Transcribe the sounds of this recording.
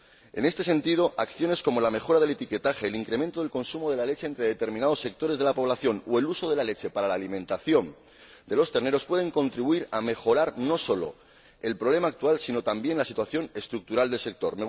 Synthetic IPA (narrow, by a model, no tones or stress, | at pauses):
e̞̰ne̞st̪e̞se̞nt̪ið̞o̞ʔakθjo̞ne̞sko̞mo̞lame̞xo̞ɾað̞e̞le̞t̪ike̞t̪axe̞ːliŋkɾe̞ment̪o̞ð̞e̞lko̞nsumo̞ðe̞lale̞t͡ʃeːnt̪ɾe̞ðe̞t̪e̞ɾminað̞o̞sːe̞k̚t̪o̞ɾe̞zð̞e̞lapo̞βlaθjo̞noe̞luso̞ð̞e̞lale̞t͡ʃe̞paɾalaːlimẽ̞nt̪aθjo̞n | d̪e̞lo̞st̪e̞ɾne̞ɾo̞spwe̞ð̞e̞ŋkõ̞nt̪ɾiβuiɾame̞xo̞ɾaɾno̞solo̞̰ | e̞lpɾoβ̞le̞maːk̚t̪ualsino̞t̪ambje̞nlasit̪waθjo̞ne̞st̪ɾuk̚t̪uɾald̪e̞lse̞k̚t̪o̞ɾme